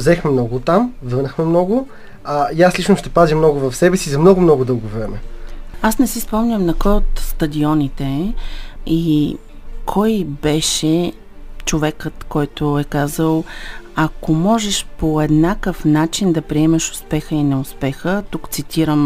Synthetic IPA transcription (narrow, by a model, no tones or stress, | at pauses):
zɛxmɛmnɔɡʊt̪amvənəxmɛmnɔɡʊ | ajaslit͡ʃnoʃt̪ɛpazʲimnɔɡʊvɐfsɛbɛsizɐmnɔɡʊmnɔɡʊd̪ɤlˠɡovɾɛmɛasnɛsispɔmnʲəmnɐkɔjot̪st̪ɐd̪iɔnit̪ɛ | i | kʰɔjbɛʃɛ | t͡ʃovɛkət̪kɔjt̪ʊɛkazəlˠɐkomɔʒɛʃpoɛd̪nakəfnat͡ʃind̪ɐpɾiɛmɐʃʊ̥spɛxəinɛʊspɛxət̪ukt̪sit̪ʰiɾəm